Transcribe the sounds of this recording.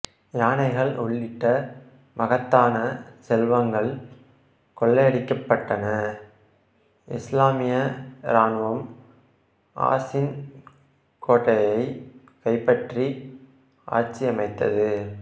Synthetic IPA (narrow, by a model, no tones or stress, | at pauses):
jaːnɐɪɣɐɭʊɭːɪʈːɐ | mɐɣɐt̪ːaːnɐsɛlʋɐŋɡɐɭ | kɔɭːɐɐɽɪkːɐpːɐʈːɐnɐ | ɪslaːmɪjɐɾaːnʋɐm | ʔa̰ːsɪn | kʰoːʈːɐjɐɪ | kɐɪpːɐʈri | ʔa̰ːɾt͡ʃːiɐmɐɪt̪ːɐ̰ðɯ